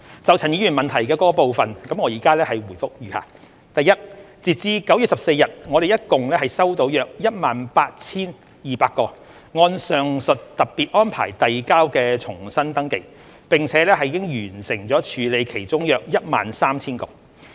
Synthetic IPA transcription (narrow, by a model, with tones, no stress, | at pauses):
t͡sɐ˨wt͡sʰɐ˨˩njiː˨˧jyː˨˩nmɐ˨nt̪ʰɐ˨˩jkɛː˧kɔː˧˥kɔ˧po˨˧wfɐ˨nkɐ˨˥mŋɔː˨˧jiː˨kaː˥lɛː˥hɐ˨jwu˨˩jfʊ˥k̚jɥyː˨ha̰ː˨˩ | t̪ɐ˨jɐ˥t̚t͡siː˨t̚t͡siː˧kɐ˨˥wjyː˨t̚sɐ˨p̚se˧jɐ˨t̚ŋɔ˨˧d̪e˨jɐ˥t̚kʊ˨ŋlɛː˥ɦɐ˨jsɐ˥wt̪o˨˧˥wjœː˧k̚jɐ˥t̚maː˨npaː˧t̚t͡sʰiː˥n | jiː˨paː˧t̚kɔː˧ | ŋɔː˧nsœː˨ŋsɵ˨t̚t̪ɐ˨p̚pi˨t̚ʔɔː˥npʰa̰ː˨˩jt̪ɐ˨jkaː˥wkɛː˧t͡sʰʊ˨˩ŋsɐ˥nt̪ɐ˥ŋkɪ˧k̚ | pɪ˨ŋt͡sʰɛː˨˥lɛː˥ɦɐ˨jkɪ˥ŋjyː˨˩nsɪ˨˩ŋt͡sɔː˨˥t͡ʃʰyː˨˧le˨˧jkʰe˨˩jt͡ʃʊ˥ŋjœː˧k̚jɐ˥t̚ma̰ː˨nsaː˥mt͡sʰiː˥nko̰˨˩w